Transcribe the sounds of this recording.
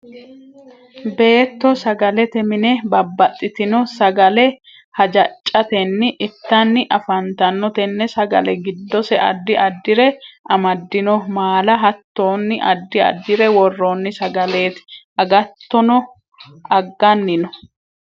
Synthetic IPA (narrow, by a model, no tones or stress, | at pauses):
be̞ːt̪ːɔsɐɡɐlɛt̪ɛmɪnɛbɐbːɐt̪ʼːɪt̪ɪnɔsɐɡɐlɛ | hɐd͡ʒɐt͡ʃʼːɐt̪ɛnːɪʔɪt̪ːɐnːɪʔɐfɐnt̪ɐnːɔt̪ɛnːɛsɐɡɐ̰lɛɡɪd̪ːɔsɛʔɐ̰d̪ːɪʔɐd̪ːɪɾɛɐmɐd̪ːɪnɔmaːlɐɦɐt̪ːo̞ːnːɪʔɐ̰d̪ːɪɐ̰d̪ːɪɾɛwɔrːoːnːɪsɐɡɐle̞ːt̪ɪ̥ | ɐɡɐt̪ːɔnɔ | ɐɡːɐnːɪnɔ